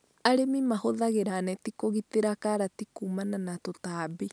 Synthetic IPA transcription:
aɾemimahoðaɣeɾanɛtikoɣit̪eɾakaɾatikuːmananatotaːbi

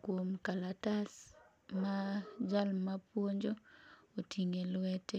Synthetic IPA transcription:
kwomkalatas | mad͡ʒalmapwoɲd͡ʒootʰiŋelwɛtɛ

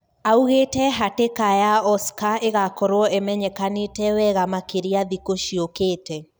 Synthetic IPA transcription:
auɣetɛɦatekajaɔskaeɣakɔɾwɔʔɛmɛɲɛkanetɛwɛɣamakeɾiaðikoʃiokeːtɛ

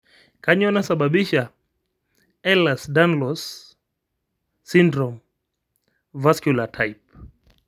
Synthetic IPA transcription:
kaɲɔnasaɓaɓiʃa | ɛlasdanlɔs | indɾɔm | vaskjulatʰajp̚

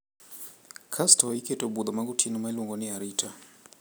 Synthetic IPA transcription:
kʰastaikɛtɔbud̪ɔmaɡutʰinɔmailuŋɡɔniaɾitʰa

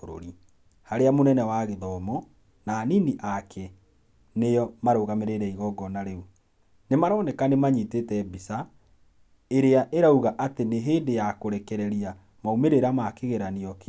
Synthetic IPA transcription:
oɾo̰ɾi | haɾeamonɛnɛwaɣeðɔmɔ | naːniniʔakʰɛ | nejɔmaɾoːɣameɾeɾɛiɣɔɡɔnaɾeu | nemaɾɔːnɛkanemaɲitetɛbisa | eɾeaʔeɾauɣaʔateneɦeːndejakoɾɛkɛɾɛɾia | maumeɾeɾamakeɣeɾaneɔke

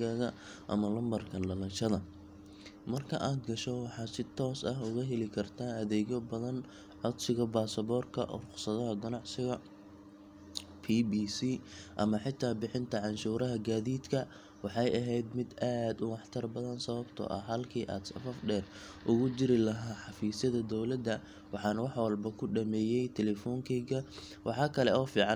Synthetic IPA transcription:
ɣaːɣɐ | ʔɐ̰mɐlɐmbɐrkʰɐlɐlɐnʃɐðɐ | mɐrkʰɐʔaːd̪ɡɐʃɔwɑħɑːsɪt̪ʰɔːsɐɦʊɣɐɦɛlɪkʰɐrt̪ʰaːɐðɛːɣɔbɐðɐn | ʕɔd̪sɪɣɐbaːsɐβɔːrkʰɐ̰ʔɔ̰ːqʊ̥sɐðɐɦɐɡɐnɑʕsɪɣɐ | pʰiːbiːsiːʔɐmɐħɪt̪ʰːaːbɪħɪnt̪ʰɐʕɑnʃuːɾɐɦɐɡaːðiːd̪kʰɐ | wɑħɑjɐɦɛjd̪mɪd̪aːd̪ʊwɑħt̪ʰɐrbɐðɐnsɐβɐbt̪ʰɔ̰ːʔɐ̰ɦɐlkʰiːʔa̰ːd̪sɐfɐfɖɛːr | ʔʊɣʊd͡ʒɪɾɪlɐɦaːħɑfiːsɐðɐd̪ɔwlɐd̪ːɐ | wɑħɑːnɐwɑħwɑlbɐkʰʊɖɐmɛːjɛjt̪ʰɛlɛfɔːŋkʰɛɣɐ | wʔɑħɑːkʰɐlɛʔɔːfiːʕɑn

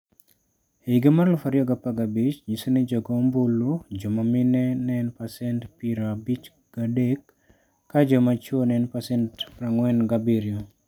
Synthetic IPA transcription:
eiɡemarlʊfaɾjɔɡapaɡabit͡ʃɲisonɛd͡ʒɔɡɔmbulːud͡ʒɔmaminɛnɛnpasɛntpiɾabit͡ʃ | ɡ̥adekː | ad͡ʒɔmat͡ʃonɛnpasɛntfɾaŋwɛnɡabiɾjo

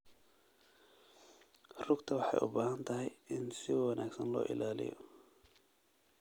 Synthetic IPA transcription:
rʊɡt̪ʰɐwɑħɑ̰jʔʊbaːhɐnt̪ʰɐɦɛjɪnsɪwɑnʔa̰ːɡsɐnlɔ̰ːʔɪ̰laːlɪ̰jɔ̰

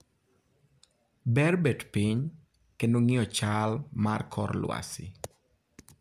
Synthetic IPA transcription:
bɛrbɛdpiɲ | kendoŋɪɔt͡ʃalmarkʰɔ̰rlwa̰sɪ̰

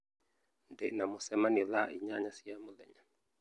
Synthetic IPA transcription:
ndɛnamusɛmanilaʔḭɲaɲasiamulɛ̰ɲa

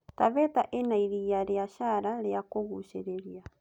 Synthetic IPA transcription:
taβɛtaʔenaiɾijaɾjaʃaɾaɾakoɣuʃeɾeɾja

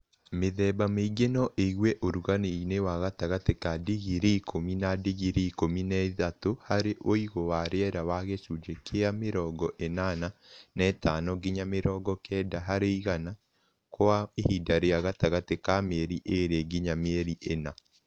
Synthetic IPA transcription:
meðɛbameiɡenɔʔeiɣwɛʔoɾuɣaneinewaɣataɣatekadiɣiɾeikʰominadiɣiɾeikominɛiðatohaɾeʔoiɣowaɾeɛɾawaɣesud͡ʒekʰeameɾɔːɡɔʔenananɛtaːnɔɡiɲameɾɔːɡɔkɛdaɦaɾeiɣana | koaehidaɾeaɣataɣatekameɾiʔeɾeɡiɲameɾiʔena

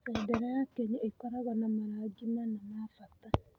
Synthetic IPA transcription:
sɛdɛɾajakɛɲaʔekɔɾaɣɔnamaɾaɡimanamafata

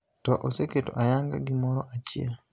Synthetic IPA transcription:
tɔʔoseketo̰ʔajaŋɡa̰ɡɪmɔɾɔʔat͡ʃɪḛ

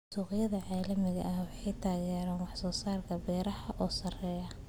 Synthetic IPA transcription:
ʊsuːqɪjɐðɐʕɑːlɐmɪɣɐ̰ʔɐhwɑħɑjt̪ʰaːɣɛːɾaːnwɑħsɔːsaːrkʰɐbɛːɾɐhɐʔɔːsɐrɛːjɐ

